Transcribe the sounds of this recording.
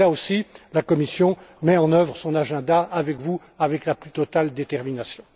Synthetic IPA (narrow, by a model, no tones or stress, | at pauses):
aosilakɔmisjɔ̃mɛɑ̃nœvʁsɔ̃naʒɛ̃d̪aːvɛkvu | avɛklaplyt̪ɔt̪ald̪et̪ɛʁminasjɔ̃